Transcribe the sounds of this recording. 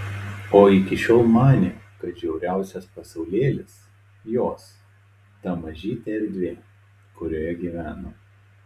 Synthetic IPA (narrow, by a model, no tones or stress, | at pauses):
oːɪkʲɪʃʲoːlˠmɑːnʲe | kɐt̪̚d͡ʒʲɛʊɾʲæˑʊsʲɛspɐsɐʊlʲeːlʲɪs | joːs | t̪ɐmɐʒʲiːt̪ʲeɛɾʲd̪ʲʋʲeː | kʊɾʲoːjɛɡʲiːʋʲæːnoː